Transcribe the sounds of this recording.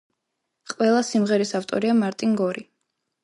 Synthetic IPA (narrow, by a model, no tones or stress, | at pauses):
qʼwɛlˠasimʁɛɾisaft̪ʼɔ̰ɾiamaɾt̪ʼiŋɡɔɾi